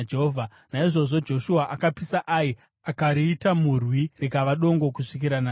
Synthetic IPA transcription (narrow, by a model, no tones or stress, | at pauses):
d͡ʒeɦoːvʱa | naiʐo̞ʐo̞d͡ʒo̞ʃuaʔakapisaʔai | akaɾiːtamurwirikaʋaɗo̞ŋɡo̞kuʂikiɾanaː